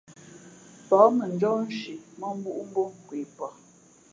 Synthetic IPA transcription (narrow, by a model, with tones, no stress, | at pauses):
pɔ˨˦mə˨n˨d͡ʒɔ˦n̩˦ʃi˨mə˦m̩˦bu˦ʔm˦bo˦ŋ˨kwi˨pɔ˨